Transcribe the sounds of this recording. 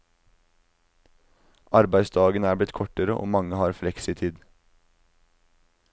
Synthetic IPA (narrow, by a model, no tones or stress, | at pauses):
ʔɑɾbæɪsd̪ɑːɡənæːblɪt̪kʰɔʈəɾəʔo̰ːmɑŋəhɑːɾflɛksɪt̪ʰiːd̪